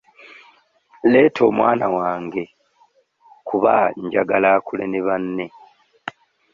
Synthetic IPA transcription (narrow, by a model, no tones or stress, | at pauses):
leːtʰo̞ːmwa̰ːnawaːŋɡe̞ | kuβa̰ɲɟaɡalaːkuleneβanːe̞